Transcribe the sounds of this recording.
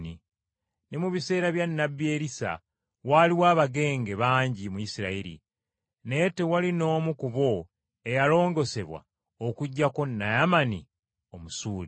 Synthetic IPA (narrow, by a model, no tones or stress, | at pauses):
ni | nemuβise̞ːɾaβjanːabːie̞ːɾisa̰ | waliwaːβaɡe̞ːŋɡe̞βaːɲɟimujisiɾa̰iɾḭ | ne̞tewalino̞ːmukuβo̞ | e̞jalo̞ːŋɡo̞se̞βwa̰ | okuɟːako̞nːajamanḭ | o̞musuːli